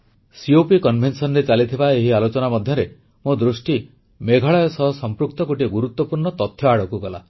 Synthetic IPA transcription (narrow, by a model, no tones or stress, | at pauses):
siopikɔnbʱensɔnɾet͡ʃalit̪ʰibaeɦialot͡ʃɔnamɔd̪ʱjɔɾe | mod̪ɾusʈi | meɡʱaɭɔjɔsɔɦɔsɔmpɾuk̚t̪ɔkoʈiɡuɾut̪wɔpuɾɳɔt̪ɔt̪ʰːjɔaɽɔkuɡɔla̰